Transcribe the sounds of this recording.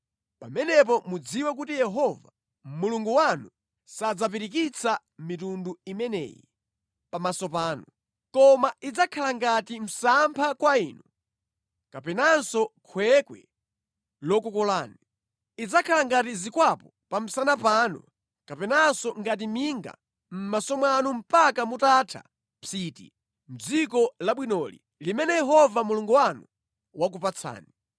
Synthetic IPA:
pamɛnɛpɔmud͡ziwɛk̬utijɛɦɔva | muluŋɡuwanu | sad͡zap̬iɾik̬it͡sʰa | mitunduimɛnɛ̰jḭ | pamasɔpaːnɔ | kɔmaid͡zakʰalaŋɡatim̩sampʰakwaiːnɔ | kapɛnansɔkʰwɛkwɛ̰ | lɔkukɔlaːni | id͡zakʰalaŋɡatizikwapɔ | pam̩sanapanɔ̰ | kapɛnansɔŋɡat̬imiŋɡa̰ | m̩masɔmwanum̩pakamutatʰa̰ | pitḭ | m̩d͡zikɔlaɓwinɔlḭ | limɛnɛjɛɦɔvamuluŋɡuwanu | wak̬upat͡sʰa̰ːni

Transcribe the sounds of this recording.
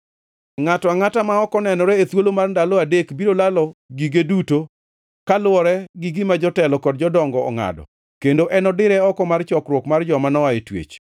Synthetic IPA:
ŋatɔaŋatamaɔkɔnɛnɔɾɛet̪wolomarndalɔadekbiɾolalɔɡiɡeduto | kalwɔɾɛɡiɡɪmad͡ʒɔtɛlɔkɔdd͡ʒɔdɔŋɡɔɔ̰ŋa̰dɔ̰ | kendoʔɛnɔdɪɾɛɔkɔmart͡ʃɔkɾwokmard͡ʒɔmanɔaetwḛt͡ʃ

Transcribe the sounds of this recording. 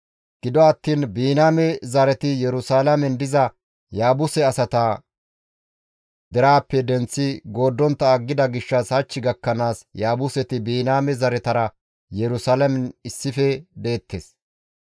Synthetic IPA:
ɡ̥ɪd̪ɔɐt̪ːiːnbiːnaːmɛzɐɾɛt̪ɪjɛɾʊsaːlɐmɛnd̪ɪzɐ | jaːbʊsɛɐsɐt̪ɐ | d̪̥ɛɾaːpːɛd̪ɛnt͡sːɪɡo̞ːd̪ːɔnt̪ːɐːɡːɪd̪ɐɡɪʃːɐshɐt͡ʃːɪɡɐkːɐnaːsjaːbʊsɛt̪ɪbiːnaːmɛzɐɾɛt̪ɐɾɐ | jɛɾʊsaːlɐmɛnɪsːɪfɛd̪e̞ːt̪ʰːḛːs

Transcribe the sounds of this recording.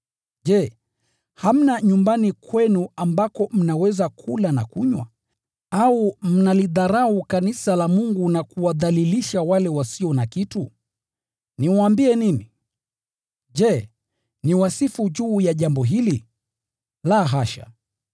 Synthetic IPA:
ʄɛ | ham̩naɲumbanikwɛnuambakɔm̩nawɛzakʰulana̰kuɲwa̰ | aum̩naliðaɾahukanisalamuŋɡunakuwaðaliliʃawalɛwasiɔnakitu | niwaaːmbiɛnini | ʄɛ | niwasifuʄuːjaʄambɔɦili | laːɦaʃa̰

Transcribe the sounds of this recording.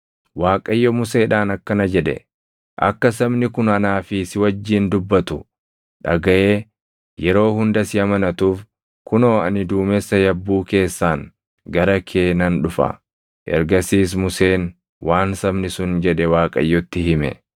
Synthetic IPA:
waːkʼɐjːɔmʊse̞ːᶑaːnɐkːɐnɐd͡ʒɛᶑɛ̰ | ʔɐ̰kːɐs̬ɐbnɪkʊnɐnaːfɪsɪwɐd͡ʒːiːnd̪ʊbːɐt̪ʊ | ᶑɐ̰ɡɐʔeː | jɛɾo̞ːhʊnd̪ɐsɪɐmɐnɐt̪uːf | kʊno̞ːɐnɪd̪uːmɛsːɐjɐbːuːke̞ːsːaːŋ | ɡɐɾɐkʰe̞ːnɐnᶑʊfɐ̰ | ʔɛ̰ɾɡɐsiːs̬mʊse̞ːn | wʔaːnsɐmnɪsʊnd͡ʒɛᶑɛwaːkʼɐ̰jːɔt̪ːɪɦɪmɛ̰

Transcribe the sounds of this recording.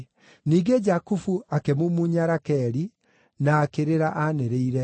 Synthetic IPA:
niːɡed͡ʒakufuakemomuɲaɾakɛɾi | naːkeɾeɾaʔaneɾeiɾɛ

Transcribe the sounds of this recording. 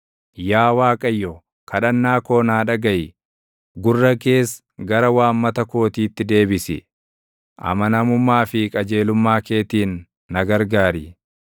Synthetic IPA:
jaːwaːkʼɐjːɔ | kʰɐᶑɐnːaːko̞ːnaːᶑɐɡɐjɪ | ɡʊrːɐke̞ːs | ɡɐɾɐwaːmːɐt̪ɐko̞ːt̪iːt̪ːɪd̪e̞ːbɪsɪ̰ | ʔɐ̰mɐnɐmʊmːaːfɪkʼɐd͡ʒe̞ːlʊmːaːke̞ːt̪iːnː | ɐɡɐɾɡaːɾɪ

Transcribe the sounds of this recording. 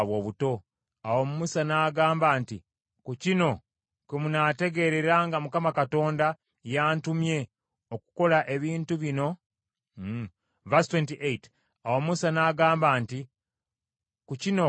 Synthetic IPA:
βwo̞ːβuto̞ | awo̞mumusanaːɡaːmbaːnti | kucino̞ | kemunate̞ɡe̞ɾe̞ɾaŋɡamukamakato̞ːnda | jaːntumje̞ | o̞ku̥ko̞laʔe̞βiːntuβino̞ | vastwentiʔet | awo̞mumusanaːɡaːmbaːnti | kucino̞

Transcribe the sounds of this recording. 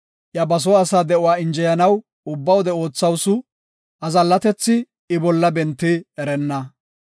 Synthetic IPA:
ʔjɐbɐs̬ɔɐsaːd̪ɛʊaːɪnd͡ʒɛjɐnɐw | ʊbːɐwɔd̪ɛo̞ːt͡sːɐwsʊ | ʔɐzɐlːɐt̪ɛt͡sːɪ | ɪbɔlːɐbɛnt̪ːɪɛɾɛnːɐ

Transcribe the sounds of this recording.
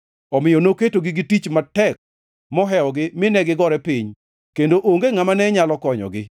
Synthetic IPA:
ɔmɪjɔnoketoɡɪɡɪtit͡ʃmatɛk̚ | mɔɦɛɔɡɪmɪnɛɡɪɡɔɾɛpɪɲ | kendoʔoŋɡeŋamanɛɲalɔkɔɲɔ̰ɡɪ

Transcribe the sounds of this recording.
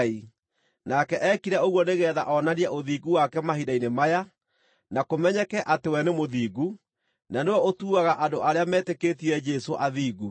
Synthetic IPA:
i | nakɛʔɛkiɾɛoɣwɔneɣɛːða̰ʔɔnaɾiɛʔoðiːɡuwakɛmaɦidainemaja | nakomɛɲɛkɛʔatewɛnemoðiːɡu | nanewɔotuːaɣaʔandoʔaɾeamɛːteketiɛd͡ʒɛsoʔaðiːɣu

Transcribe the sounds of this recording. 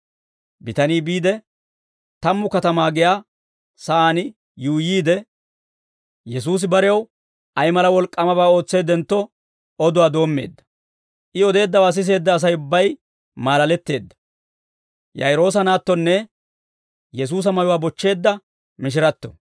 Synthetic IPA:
bɪt̪ɐniːbiːd̪ɛ | t̪ɐmːʊkɐt̪ɐmaːɡɪjaː | sɐʔaːnɪ | juːjiːd̪ɛ | jɛs̬uːs̬ɪbɐɾɛjɐw | ɐjmɐlɐwɔlkʼːɐmɐbaːo̞ːt͡sːe̞ːd̪ɛnt̪ːɔ | ɔd̪ʊwaːd̪o̞ːmːe̞̰ːd̪ːɐ̥ | ʔɪɔd̪e̞ːd̪ːɐwaːs̬ɪs̬e̞ːd̪ːɐːs̬ɐjʊbːɐj | maːlɐlɛt̪ːe̞ːd̪ːɐ̥ | jɐ̰jɾo̞ːs̬ɐnaːt̪ːɔnːɛ | jɛs̬uːs̬ɐmɐjʊwaːbɔt͡ʃːe̞ːd̪ːɐ | mɪʃ̬ɪɾɐt̪ːɔ̰

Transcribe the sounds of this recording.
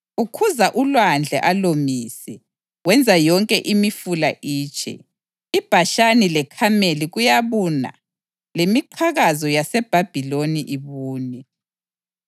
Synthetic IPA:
ukʰuzaʔulwand͡ɮʱɛ̰ʔalomiːsɛ | wɛnd͡zʱajɔŋkʼɛʔimifulaʔiːt͡ʃʼʰɛ̰ | ib̥ʱaʃanilɛkʰameliɣujaβuna̰ | lemiǃʰaɣazɔjasɛb̥ʱab̥ʱiloniʔiβuːni

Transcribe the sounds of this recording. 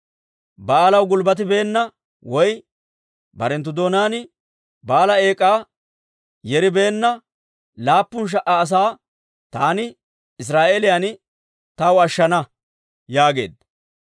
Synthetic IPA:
baːlɐwɡʊlbɐt̪̬ɪbe̞ːnːɐ | wɔj | bɐɾɛnt̪̬ːʊd̪oːnaːnɪ | baːlɐe̞ːkʼːaː | jɛɾɪbe̞ːnːɐ | laːpːʊnʃ̬ɐʔɐːs̬aː | t̪aːnɪ | ɪs̬ɾaːʔeːlɪjan | t̪ɐwɐʃːɐnɐ | jaːɡe̞̰ːd̪ɐ

